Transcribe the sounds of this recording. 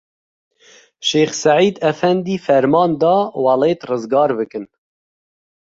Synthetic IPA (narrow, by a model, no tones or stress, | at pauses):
ʃeːxsæʕiːd̪ɛfɛnd̪iːfɛɾmɑːnd̪ɑːwɑleːt̪rɨzɡɑːɾbɨkɨn